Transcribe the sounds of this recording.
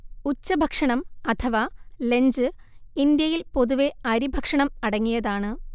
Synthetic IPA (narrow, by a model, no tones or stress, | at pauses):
ut͡ɕːɐbʱɐkʂɐɳɐmɐt̪ʰɐʋale̞ɲd͡ʑɨ | ind̪jɐjilpo̞ðuʋe̞ɐɾibʱɐkʂɐɳɐmɐɽɐŋːijɐðaːɳɨ